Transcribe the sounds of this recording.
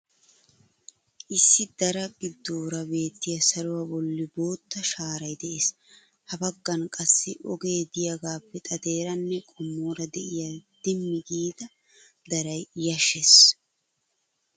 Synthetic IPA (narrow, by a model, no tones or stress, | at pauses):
ʔɪsːɪd̪ɐɾɐɡɪd̪ːoːɾɐbe̞ːt̪ːɪjɐsɐɾʊwɐbɔlːɪboːt̪ːɐʃaːɾɐjd̪ɛʔeːs | hɐbɐɡːɐnkʼɐsːɪʔɔɡe̞ːd̪ɪjɐɡaːpːɛt̪ʼɐd̪e̞ːɾɐnːɛkʼɔmːoːɾɐd̪ɛʔɪjad̪̥ɪmːɪɡiːd̪ɐ | d̪ɐɾɐjjɐʃɛs